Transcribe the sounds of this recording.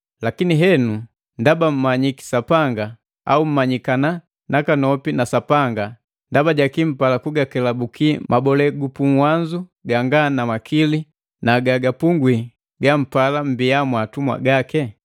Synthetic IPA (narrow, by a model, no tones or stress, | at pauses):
lakiniɦɛnu | ndabam̩maɲiki̥sapaŋɡa | a̰um̩maɲikana | nakanɔpinasapaŋɡa | ndabaɟakim̩palakuɡakɛlabukʰimabɔlɛɡupuŋwaɲd͡ʒuɡaŋɡanamakʰili | naɡaɡapuŋɡwi | ɡam̩palam̩biamwatumwa̰ɡakɛ